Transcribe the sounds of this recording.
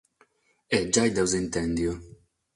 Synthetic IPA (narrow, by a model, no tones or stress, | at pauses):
ɛd͡ʒajd̪ɛwzint̪ɛnd̪jo